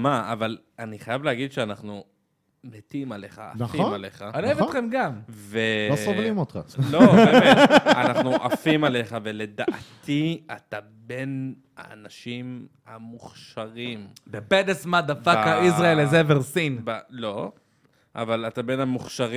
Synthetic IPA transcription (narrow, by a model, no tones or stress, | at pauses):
maaval | aniχajavleaɡid̪ʃeanaχnu | met̪imale̞χa̰ːnfimaleχaanievetχemɡamveovlimot̪χaloeanaχnuʔafimaleχavele̞d̪aʔt̪iat̪a | be̞n | a̰ːnaʃim | hamuχʃaʁimdeped̪esmad̪afakaisʁaelezeveʁsinbalo̞ | ʔa̰valat̪abe̞namuχʃaʁ